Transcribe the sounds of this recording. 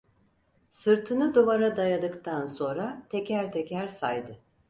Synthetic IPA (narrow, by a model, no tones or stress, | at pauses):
sɯɾt̪ʰɯnɯd̪ovaɾad̪ajad̪ɯkt̪ʰanso̞nɾat̪ʰecʰæɾt̪ʰecʰæɾsajd̪ɯ